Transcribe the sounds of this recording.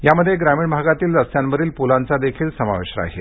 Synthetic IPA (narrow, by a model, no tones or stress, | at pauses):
jaməd̪ʱːjeɡɾamiːɳbʱaɡat̪iːlɾəsjanbəɾiːlpulant͡sad̪ekʰiːlsəma̰ʋeʂɾə̰a̰ɦe